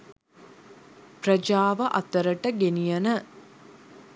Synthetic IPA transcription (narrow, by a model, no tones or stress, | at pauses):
prəd͡ʒaːʋəʔɐt̪əɾəʈəɡenijɐnə